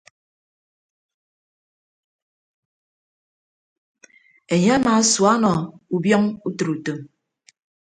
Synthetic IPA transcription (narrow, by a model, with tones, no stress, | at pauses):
e˨ɲe˦a˦na˨˦swa˦nɔ˨u˨bjɔ˦ŋu˦tɨ˨ɾu˨tə˨m